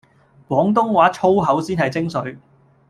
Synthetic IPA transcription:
kwɔː˨˥ŋt̪̬ʊ˥ŋwaː˨˥t͡ʃʰo˥wɦɐ˨˥wsiː˥nhɐ˨jt͡sɪ˥ŋsɵ˨˥ɥ

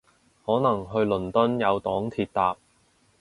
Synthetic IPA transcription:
hɔː˨˥nɐ˨˩ŋɦɵ˧ɥlɵ˨˩nt̪ɵ˥njɐ˨˧wt̪ɔː˨˥ŋt̪ʰiː˨˧t̚t̪aː˨p̚

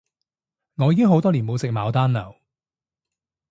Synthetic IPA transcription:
ŋɔː˨˧jiː˨˧kɪ˥ŋɦo˨˥wt̪ɔː˥liː˨˩nmo˨˧wsɪ˨k̚maː˨˧wt̪aː˥nlɐ̰˨˩w

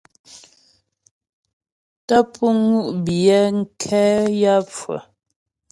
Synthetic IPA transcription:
tə˦pʰu˦ŋu˦ʔbi˨ɛ˦ŋ̩˦kʰɛ˦ja˦p͡fwə̰˨

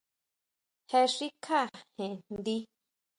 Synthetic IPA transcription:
he˧ʂi˦kʰa˦˨hẽ˨nd̪i˦

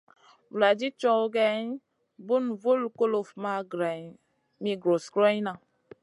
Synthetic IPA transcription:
vu˨la˨d͡ʒi˦t͡ʃɔ˦wɡɛ˦n | bu˦nvu˦lko˦lo˨fma˦ɡɾɛ˨ | mi˦ɡɾo˨skɾe˦jna˨

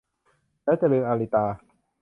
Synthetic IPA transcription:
lɛː˦˥wt͡ɕa˨lɤː˧mʔaː˧li˧˩t̪aː˧

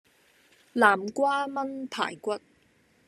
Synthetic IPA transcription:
laː˨˩mkʷaː˥mɐ˥npʰa̰ː˨˩jkʷɐ˥t̚

